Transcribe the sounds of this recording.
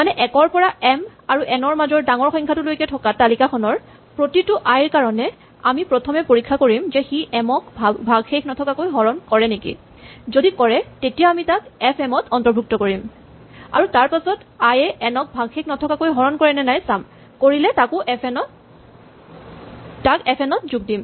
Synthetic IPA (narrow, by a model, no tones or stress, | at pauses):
manɛʔɛkɔɹpɔɹaʔɛm | aɹuʔɛnɔɹmazɔɹdaŋɔɹxɔ̃ŋkʰatulojkɛtʰɔkatalikaxʰɔnɔɹ | pɹotitʊʔajɹkaɹɔnɛ | amipɹɔtʰɔmɛpoɹikʰːakoɹimzɛxiʔɛmɔkbʱaɡxekʰnɔtʰɔkakojɦɔɹɔnkɔɹɛnekḭ | zodikɔɹɛtetijaamitakɛpʰɛmɔtʰɔntɔɹbʱuk̚tɔkoɹim | a̰ɹutaɹpasɔtajɛʔɛnɔk̚bʱaɡxekʰnɔtʰɔkakojɦɔɹɔnkɔɹɛnɛnajsam | koɹilɛtakʊʔpnɔ | takɛpʰɛnɔtzuɡ̚dim